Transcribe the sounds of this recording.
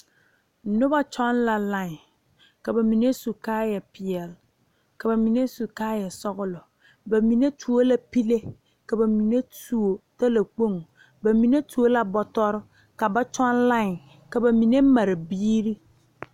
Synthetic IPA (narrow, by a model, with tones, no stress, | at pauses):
nʊ˦ba˦t͡ʃɔ˦nla˨la˨ŋ˨ | ka˨ba˨mi˨ne˦su˨kaː˦jɛ˨pɪ˨ɛ˨l | ka˨ba˨mi˨ne˦su˨kaː˦jɛ˨sɔ˦ɣʊ˦lɔ˨ | ba˨mi˨ne˦tʰu˨o˦la˦pi˦le˦ | ka˨ba˨mi˨ne˦tu˨o˨ta˦la˨k͡po˦˨ŋ˨ | ba˨mi˨ne˦tu˨˦o˦la˦bɔ˦tɔ˦ɾɪ˦ | ka˨ba˦t͡ʃɔ˦nla˦ŋ˨ | ka˨ba˨mi˨ne˦ma˨ɾɪ˨biː˦ɾi˦